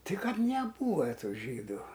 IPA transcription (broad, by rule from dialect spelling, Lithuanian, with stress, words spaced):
ˈtʲɪ ˈkɐt nʲɛˈbuːʋɐ ˈtuː ˈʒʲiːduː